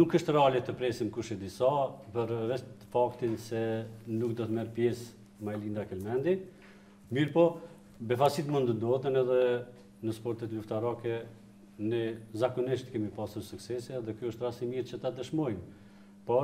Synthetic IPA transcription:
nukːəʃt̪ɾalɛt̪əpɾɛsimkuʃid̪isapəɾvɛt̪fakt̪insɛnuk̚d̪ɔt̪mɛɾpjɛs | majlind̪akəlmɛnd̪i | miɾpɔ | bɛfasit̪mund̪ənd̪ɔt̪ənɛðɛ | nəspɔɾt̪ɛt̪luft̪aɾakɛ | nɛzakɔniʃt̪kɛmipasuɾsuksɛsiɛðɛkjɔəʃt̪ɾasimiɾt͡ʃət̪ad̪əʃmɔjm | pɔ

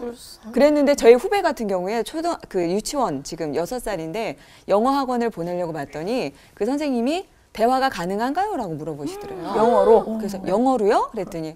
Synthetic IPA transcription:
kɯɾe̞nːɯnde̞t͡ɕʌiɸube̞ɡatʰɯnɡjʌŋue̞t͡ɕʰodkɯjut͡ɕʰiwʌnt͡ɕiɡɯmjʌsʰʌs͈aɾinde̞ | jʌŋʌɦaɡwʌnɯɭpone̞ʎːjʌɡomat̚t͈ʌɲi | kɯsʰʌnsʰeŋɲimi | te̞waɡakanɯŋɦanɡajoɾaɡomuɾʌboɕʰi̥dʌɾajʌŋʌɾokɯɾe̞s̬ʰʌjʌŋʌɾojokɯɾe̞t͈ɯɲi

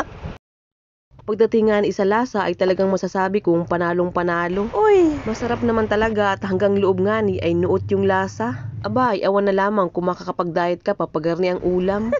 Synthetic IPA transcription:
pɐɡ̚d̪ɐt̪ɪŋːaːnɪsɐlaːsɐʔɐjt̪ɐlɐɡaŋmɐsasaːbɪkʊŋpɐnaːloŋpɐnaːlo̞ʔojmɐsɐɾap̚nɐmant̪ɐlɐɡaʔɐt̪hɐŋɡaŋlʊʔob̚ŋaːnɪʔɐjnʊʔot̪̚jʊŋlaːsɐʔɐbaʔɐjʔɐwanːɐlaːmɐŋkʊŋmɐkɐkɐpɐɡ̚d̪aːjɐt̪̚kɐpɐpɐɡɐɾniʔɐŋʔuːlɐm

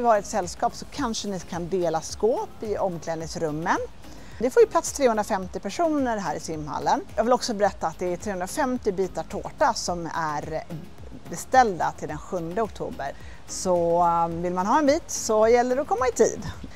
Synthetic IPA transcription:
ɪvɑːɾɪɛt̪sɛlːskɑːpsɔkʰanʂənɪkʰand̪eːlaskoːpɪɔmːklɛːd̪nɪŋsɾɵmːən | d̪ɛfoːɾjɵpʰlat̪st̪ʰɾeːhɵnɾafɛmt̪ɪpʰæʂuːnəɾɦæːɾɪsɪmːha̰lːənjɑːɡvɪlɔksɔbɛɾɛt̪ːaːt̪̚d̪ɛæt̪ʰɾeːhɵnɾafɛmt̪ɪbiːt̪aʈʰo̰ːʈasɔmæɾ | bɛst̪ɛld̪a̰t̪ʰɪld̪ɛnɧɵnd̪əɔk̚t̪ʰṵːbə̰ɾ | sɔvɪlmanɦɑːɛnbiːt̪sɔjɛlːəɖɛɔkʰɔmːaɪt̪ʰḭːd̪

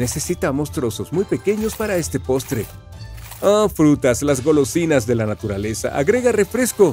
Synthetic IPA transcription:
ne̞se̞sit̪amo̞st̪ɾo̞so̞zmujpe̞ke̞ɲo̞spaɾae̞st̪e̞po̞st̪ɾe̞ | ofɾut̪aslazɣo̞lo̞sinazðe̞lanat̪uɾale̞sa̰ʔa̰ɣɾe̞ɣare̞fɾe̞sko̞

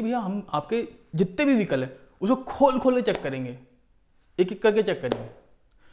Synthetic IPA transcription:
bʱijaɦɐmaːp̚ke | d͡ʒɪt̪ːebʱiʋʱikəlɦɛ | ʊskokʰoːlkʰoːlket͡ʃɛkːɐɾẽːŋɡeː | eːkɪkːɐɾk̬et͡ʃɛkːɐɾḛ̃ːŋɡeː

